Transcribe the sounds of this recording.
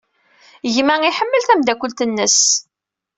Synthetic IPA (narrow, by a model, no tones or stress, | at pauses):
ʝmæiħəmːəlθæmd̪ækʷːəlt̪ənːəs